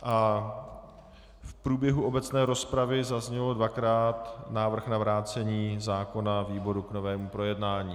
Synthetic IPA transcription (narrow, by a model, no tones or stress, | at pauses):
ʔa | fpɾuːbjɛɦuʔo̞bɛt͡snɛːɾo̞spɾavɪzazɲɛlodvakɾaːt̪naːvr̩xnavɾaːt͡sɛɲiːzaːko̞naviːbo̞ɾukno̞vɛːmupɾo̞jɛdnaːɲiː